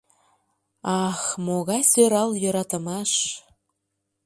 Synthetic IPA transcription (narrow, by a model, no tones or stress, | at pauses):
ɑxmoɣɑjsøɾɑljəɾɑt̪əmɑʃ